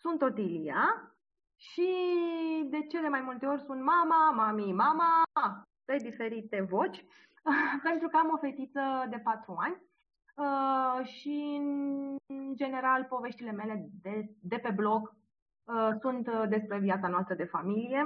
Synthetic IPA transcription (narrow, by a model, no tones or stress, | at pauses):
sunt̪o̞t̪ilia | ʃi | d̪e̞t͡ʃe̞d̪e̞majmult̪e̞o̞rʲsunt̪mamamamimama | t̪ejd̪ife̞ɾit̪e̞vo̞t͡ʃʲ | pe̞nt̪ɾukəamo̞fe̞t̪it̪səd̪e̞pat̪ɾuanʲ | əʃiɨn | d͡ʒe̞ne̞ɾalpo̞ve̞ʃt̪ile̞me̞le̞d̪ed̪e̞pe̞blo̞k | əsunt̪d̪e̞spɾe̞viat̪sanoast̪ɾəd̪e̞familije̞